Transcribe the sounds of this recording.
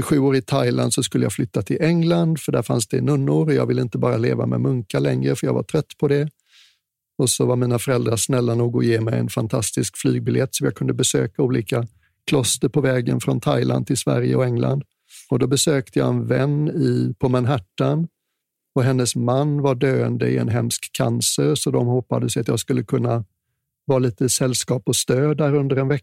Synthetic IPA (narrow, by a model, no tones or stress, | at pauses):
ɧʉ̟ːoːɾɪt̪ʰajla̰nd̪sɔskɵlːəja̰flʏt̪ːat̪ʰɪlʔɛŋland̪fœɖæɾfa̰nsd̪ɛnɵnːʊɾɔjɑːɡvɪlːɪnt̪əbɑːɾalḛːva̰mɛ̰mɵŋkalɛŋɾəfœɾjɑːɡva̰ʈʰɾœt̪ːpʰɔd̪ɛ | ɔsɔvaɾmiːnafœɾɛld̪ɾaʂnɛlːanuːɡɔjeːmɛjɛ̰nfant̪ʰast̪ɪskflyːɡ̚bɪljɛt̪ːsɔmjɑːɡkʰɵnd̪əbɛsø̰ːkauːliːka | kʰlɔst̪əɾpʰɔvɛːɡə̰nfɾɔnt̪ʰa̰jlʔa̰nd̪t̪ʰɪlsvæ̰ɾjə̰ɔɛŋla̰nd̪ | ɔd̪ɔbɛsøːk̚t̪ʰəjɑ̰ːɛnvɛnːɪpʰɔmanɦæʈːan | ɔɦɛnːəsmanːvaɖøːənd̪əɪɛ̰nɦɛmskʰːa̰nsəɾsɔd̪ɔmhɔpːad̪əsɛjat̪jɑːɡskɵlːəkʰɵnːa | vɑːliːt̪əsɛlːskɑːpɔst̪øːd̪æːɾɵnd̪əɾɛnvɛkːa